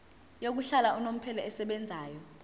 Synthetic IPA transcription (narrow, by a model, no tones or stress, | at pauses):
jok̬uɬalaʔunom̩pʰɛlɔɛsɛɓɛnd͡zʱaːjɔ